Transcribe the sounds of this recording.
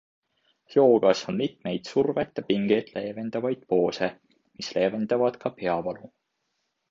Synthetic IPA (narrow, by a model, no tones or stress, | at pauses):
jo̞ːɡ̥ɑsonmit̪me̞jd̪̥survet̪jɑpiŋɡ̥ed̪̥le̞ːve̞nd̪ɑvɑjd̪̥̚po̞ːse | misle̞ːve̞nd̪ɑvɑd̪̥kɑpe̞ɑvɑlu